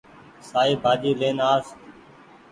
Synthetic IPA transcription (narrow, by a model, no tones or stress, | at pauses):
saːiːbʱaːd͡ʒiːleːnaːs